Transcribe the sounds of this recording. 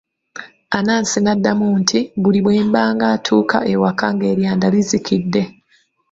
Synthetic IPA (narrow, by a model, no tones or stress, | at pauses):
anaːnsinadːamuːntʰibuliβwe̞ːmbaːŋɡaːtʰuːkʰa̰ʔewakaŋɡe̞ːɾjaːndalizikʰidːe̞